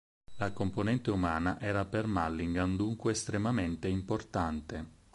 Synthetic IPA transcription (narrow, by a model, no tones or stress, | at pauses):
lakomponɛnt̪eumaːnaʔɛːɾapermalːiŋɡand̪uŋkweːst̪ɾemament̪eimport̪ant̪e